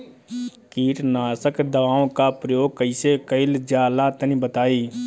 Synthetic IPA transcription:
kiːʈnaːsəkd̪əʋaːõkapɾəjoːɡ̚kəɪsekəɪld͡ʒjaːlat̪ənibət̪aːiː

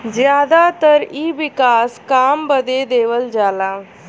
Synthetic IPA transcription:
d͡ʑjaːd̪at̪əɾiːʋikaːskaːmbəd̪ed̪eːʋəld͡ʒala

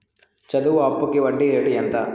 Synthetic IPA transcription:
t͡ʃɐd̪uʋuɐpːukːeʋɐɖːieʈijɐnt̪ɐ

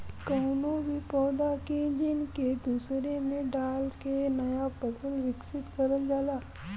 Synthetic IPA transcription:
kəwnoʋipɔːd̪aked͡ʒinked̪usɾemẽɖalkenəjapəsəlʋɪksɪt̪kəɾəld͡ʒala

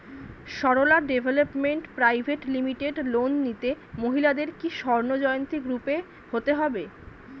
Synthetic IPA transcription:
ʃɔɾolaɖebʱelopmeɳʈpɾajbʱeʈlimiʈeɖlonːit̪e | moɦilad̪eɾkiʃɔɾnod͡ʑɔjont̪iɡɾupe | hot̪eɦɔbe

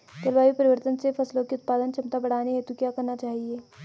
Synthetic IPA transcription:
t̪ɐlʋaːjipɐɾɪʋəɾt̪ənsefɐslõkeʊt̪̚paːd̪ənt͡ʃɐmt̪abɐɽ̤aːneɦet̪okjaːkɐɾnat͡ʃaːɦieː

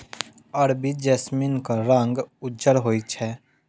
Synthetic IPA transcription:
əɾbid͡ʒɛːsminkaɾə̃ŋɡʊd͡ʒəɾɦoːit͡ʃʰɛ

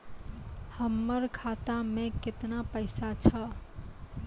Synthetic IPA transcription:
həmːəɾkʰat̪amẽkɪt̪napəɪsat͡ʃʰə

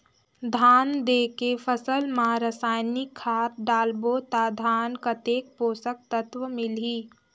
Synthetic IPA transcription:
d̪ʱaːnd̪eːkefʰəsəlmãɾəsaːjnikʰːaːt̪̚ɖaːlboːt̪ad̪ʱaːnkət̪eːk̚poːsək̚t̪ət̪ʋəmɪliː

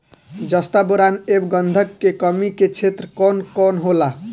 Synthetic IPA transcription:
d͡ʒʌst̪aboɾanebɡʌnd̪ʱʌkːekʌmiket͡ʃʰet̪ɾəkɔnkɔnɦola

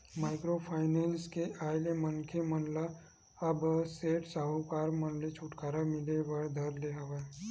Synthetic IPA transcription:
maːɪkɾopʰaːɪneːnskeʔaːɪlemənkʰemənla | ɐbseːʈsaːɦukaːɾmənlet͡ʃʰuʈkaːɾamɪlewəɾd̪ʱəɾleɦɐʋe

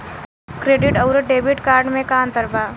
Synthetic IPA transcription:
kɾeːɖɪʈɐʊɾəʈ̚ɖeːbɪʈkaːɾɖmẽkaːnt̪əɾbaː

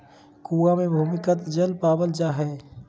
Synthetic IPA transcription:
kuamẽbʱuːmɪkət̪d͡ʒəlpaːbəld͡ʒaɦɛ

